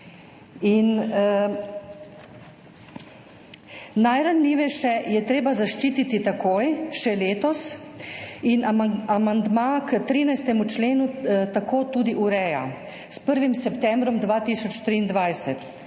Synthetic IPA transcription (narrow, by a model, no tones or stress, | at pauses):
in | ajɾanliːʋɛʃɛjɛt̪ɾeːbazaʃt͡ʃiːt̪it̪it̪akoːjʃɛleːt̪ɔs | inaamand̪makət̪ɾiːnajst̪ɛmut͡ʃleːnut̪akʰoːt̪uːd̪iʔuɾɛja̰ | spəɾʋimsɛpt̪ɛmbɾɔmd̪ʋaːt̪iːsɔt͡ʃt̪ɾiːnd̪ʋajsɛt̪